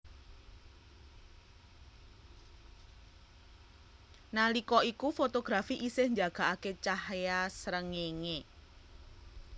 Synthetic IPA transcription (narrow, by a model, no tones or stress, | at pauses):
nalikɔʔikufot̪oɡ̥ɾafiʔisɪhɲd͡ʒaɡ̥a̤ʔaket͡ʃahjasɾəŋeŋe